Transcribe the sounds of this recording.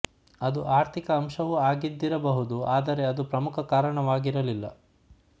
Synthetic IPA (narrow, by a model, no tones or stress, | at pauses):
ɐd̪uʔaːɾt̪ʰikɐːmʃɐʋuaːɡid̪ːiɾɐbɐɦud̪uaːd̪ɐɾe̞ɐd̪upɾɐmukʰɐkaːɾɐɳɐʋaːɡiɾɐlilːɐ̰